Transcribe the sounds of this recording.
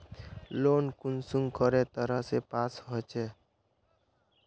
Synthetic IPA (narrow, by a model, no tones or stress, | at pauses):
loːnkunsuŋkəɾet̪əɾəɦsepaːsɦot͡ʃe